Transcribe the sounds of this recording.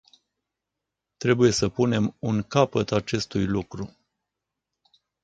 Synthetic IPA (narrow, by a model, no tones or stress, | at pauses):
t̪ɾe̞buje̞səpune̞munkapət̪at͡ʃe̞st̪ujlukɾu